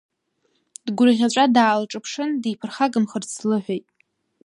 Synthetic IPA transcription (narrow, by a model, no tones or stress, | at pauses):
d̥ɡʷʊrʁʲaʈ͡ʂʷʼadaːlʈ͡ʂʼɨpʰʂɨndipʰɨrχaɡɨmχərt͡sʰlɨħʷᶣejtʼ